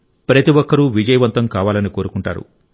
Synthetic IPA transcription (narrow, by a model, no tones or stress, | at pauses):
pɾɐt̪iʋɔkːɐɾuʋid͡ʒɐjɐʋɐnt̪ɐmkaːʋaːlɐniko̞ːɾukuɳʈa̰ːɾṵ